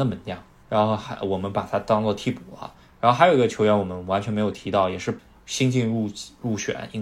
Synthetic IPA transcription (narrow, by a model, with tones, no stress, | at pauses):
nə˧˩mə˧˥nt̪jɑ˥˩ŋ | ɻa˧˥nxo˥˩ʊxwɔ˨˩mə˦npa˨˩t̪ʰa˥t̪ɑ˥ŋt͡swɔ˥˧t̪ʰi˥˩pu˨˩ɐ̰˦ | ɻa˧˥xo˥˩xa˧˥ɪjo˨˩˧ɡə˧t͡ɕʰjo˧˥ʊɥnwɔ˨˩mə˦nwa˧˥nt͡ɕʰɥɛ˧˥nm˧˥ɪjʊt̪ʰi˧˥t̪ɑ˥˩ʊjɛ˨˩ʂɻ̩˥˩ | ɕi˥ŋt͡ɕi˥˧ŋɻu˥˧ɻu˥˩ɕɥɛ̰˨˩˦ni˥ŋ